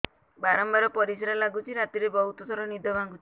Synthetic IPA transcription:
baɾɔmbaɾɔpɔɾisaɾɔlaɡut͡ʃʰiɾat̪iɾebɔɦut̪ɔsʰɔɾɔnid̪ʱɔbaŋɡut͡ʃʰi̥

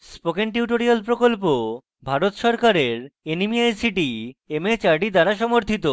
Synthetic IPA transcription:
spokenʈ̬iuʈoɾialpɾokolpo | bʱaɾot̪ʃɔɾkaɾeɾenimiajsiʈiemet͡ɕaɾɖid̪aɾaʃɔmoɾt̪ʰit̪o

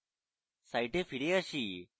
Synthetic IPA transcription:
sajʈefiɽeəɕiː

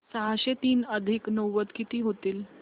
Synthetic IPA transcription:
saɦaɕet̪iːnəd̪ʱiknəwʋət̪kit̪iːɦot̪iːl

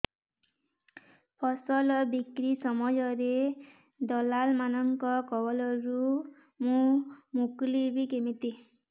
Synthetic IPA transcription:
pʰɔsɔlɔbikɾisɔmɔjɔɾe | d̪ɔlalmanɔŋkɔkɔbɔlɔɾu | mũmuklibikemit̪i

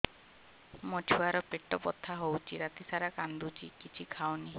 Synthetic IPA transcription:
mod͡ʒʰuaɾɔpeʈɔpɔ̰t̪ʰːaɦowt͡ʃʰiɾat̪isaɾakand̪ut͡ʃʰikit͡ʃʰikʰawni

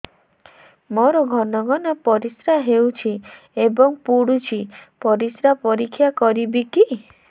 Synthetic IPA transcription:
mɔɾɔɡʱɔnɔɡɔnɔpɔɾisɾaɦewt͡ʃʰi | ebɔŋpuɽut͡ʃʰipɔɾisɾapɔɾikʰːjakɔɾibiki

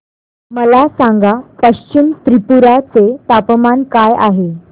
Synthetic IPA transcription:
məlasãŋɡapəɕt͡ɕimt̪ɾipuɾat͡set̪apəmankaja̰ɦe

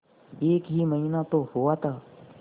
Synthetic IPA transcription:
eːkɦiːməɦinat̪ohoʋat̪aː

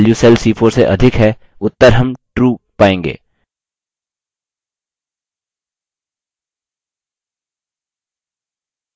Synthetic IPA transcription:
ljuseːlsiːpʰoːɾseʔɐd̪ʱɪkɦɛ | ʊt̪ːəɾɦɐmʈɾuːpaːẽːŋɡḛː

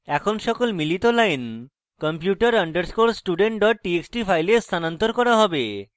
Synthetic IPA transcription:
ɛkʰonʃɔkolmilit̪olajn | kɔmpjuʈəɾəɳɖəɾskoɾsʈuɖeɳʈ̚ɖɔʈ̚ʈieksʈipʰajlest̪ʰanant̪oɾkɔɾaɦɔbe

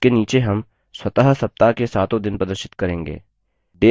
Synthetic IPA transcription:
keniːt͡ʃeɦɐm | swɐt̪aɦsɐp̚t̪akesaːt̪õd̪ɪnpɾɐd̪əɾʃɪ̥t̪kɐɾẽːŋɡḛː | d̪eː

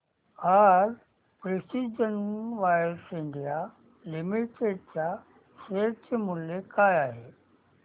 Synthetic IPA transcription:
aːɾ | pɾesiːd͡ʑənʋaːɾsɪ̃nd̪ija | lɪmiʈeːɖ̚d͡ʑa | seːt͡ɕmʊljekaːjaːɦeː

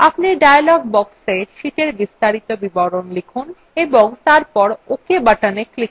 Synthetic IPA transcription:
apniɖajalɔɡ̚bɔkseʃiʈeɾbist̪aɾit̪obibɔɾonlekʰun | eboŋt̪aɾpɔɾokebaʈaneklik

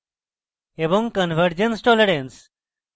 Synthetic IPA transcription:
ebõŋkənʋəɾd͡ʑənsʈɔleɾens

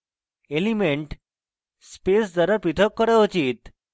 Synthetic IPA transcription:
elimeɳʈ | spesd͡zəɾapɾit̪ʰəkːəɾəot͡ɕiːt̪

